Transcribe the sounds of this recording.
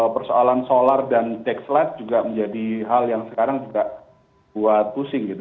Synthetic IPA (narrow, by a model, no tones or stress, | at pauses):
pərsoalansolardant̪ɛkslɛt̪̚d͡ʒuɡaməɲd͡ʒadiɦaljaŋsəkaɾaŋd͡ʒuɡaʔ | buat̪̚pusɪŋɡit̪u